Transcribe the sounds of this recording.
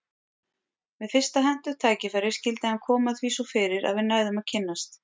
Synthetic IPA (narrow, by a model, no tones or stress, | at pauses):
vɛðfɪr̥st̪aɦɛn̥t̪ʏ̥t̪ʰaːjcɪfɛɾɪɾ̥scɪlt̪ɪhankʰɔːmaðθviːsɔfɪːɾɪɾa̰ðvɪnaːjðʏmaðcʰɪnːast̪